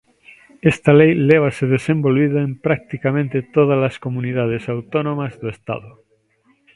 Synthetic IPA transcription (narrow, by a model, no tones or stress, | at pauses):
est̪alejleβ̞aseðesẽmbolβiðaẽmpɾak̚t̪ikamẽnt̪et̪oð̞alaskomuniðað̞esawt̪onõmazðoest̪a̰ðo